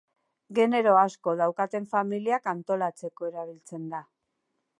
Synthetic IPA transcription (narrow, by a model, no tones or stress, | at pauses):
ɡe̞ne̞ɾo̞asko̞ðawkat̪e̞ɱfamiliakant̪o̞lat͡se̞ko̞e̞ɾaβilt͡se̞nd̪a